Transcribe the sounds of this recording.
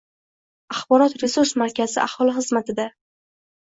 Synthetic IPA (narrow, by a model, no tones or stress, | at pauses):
aχbɒɾɒt̪ɾe̞suɾsmaɾkʲazɪʔahɒlˠɪχɨzmat̪ʰɪd̪a